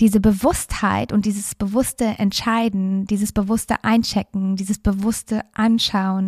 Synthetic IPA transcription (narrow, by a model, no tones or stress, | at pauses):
d̥iːzəbəvʊstha̰ɪtʊntd̥iːzəsb̥əvʊstəʔɛntʃaɪdn̩d̥iːzəsb̥əvʊstə̰ʔaɪnt͡ʃɛkŋ̩diːzəsb̥əvʊstəʔanʃaʊən